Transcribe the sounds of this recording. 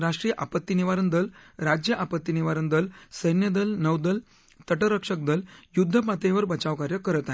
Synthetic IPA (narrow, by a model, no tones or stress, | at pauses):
ɾaʂʈɾijəʔapət̪ːiniʋaɾənd̪əlɾad͡ʑjəʔapət̪ːiniʋaɾənd̪əlsəjnjəd̪əlnəʋd̪əl | t̪əʈəɾəkʂək̚d̪əljud̪ʱːəpat̪eʋəɾbət͡ɕaʋkaɾjəkəɾət̪aɦ